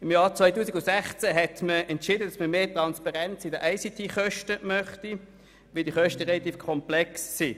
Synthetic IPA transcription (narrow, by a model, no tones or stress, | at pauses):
ɪmjaːʁt͡sʋaɪtuːsiɡʊnsɛχt͡sæɦɛtməɛntʃɪːdədɑsməmeːtʁɑnspɑʁɛnt͡sɪdəʔaɪsit̪ʰiχœʃtəmœχti | ʋildiəχœʃtəʁelɑt̪iːfkʰɔmplɛksːi